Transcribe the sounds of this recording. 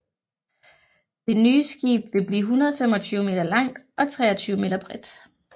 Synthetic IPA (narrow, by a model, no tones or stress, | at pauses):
d̥e̝nyːəsɡ̥ḭːb̥ʋe̝b̥lḭːɦunɐð̞ˠfem̰ɒ̽t͡sʰyːʊme̝ːd̥ɐlɑ̈ŋ̰d̥ʔɒ̽t͡sʰʁɛ̰ːɒ̽t͡sʰyːʊme̝̰ːd̥ɐb̥ʁɛd̥